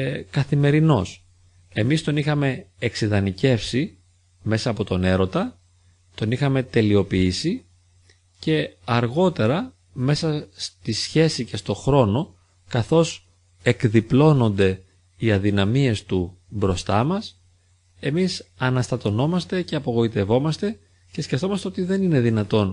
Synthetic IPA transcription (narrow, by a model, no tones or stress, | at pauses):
kɐθime̞ɾino̞s | e̞mist̪o̞nixɐme̞ːksiðɐnice̞fsi | me̞sɐːpo̞t̪o̞ne̞ɾo̞t̪ɐ | t̪o̞nixɐme̞t̪e̞lio̞piisi | ce̞ɐɾɣo̞t̪e̞ɾɐ | me̞sɐst̪isçe̞sice̞st̪o̞xɾo̞no̞ | kɐθo̞s | e̞kðiplo̞no̞nd̪e̞ | iɐðinɐmie̞st̪u | bɾo̞st̪ɐmɐs | e̞misɐnɐst̪ɐt̪o̞no̞mɐst̪e̞ce̞ɐpo̞ɣo̞it̪e̞vo̞mɐst̪e̞ | ce̞sceft̪o̞mɐst̪e̞ot̪iðe̞nine̞ðinɐt̪o̞n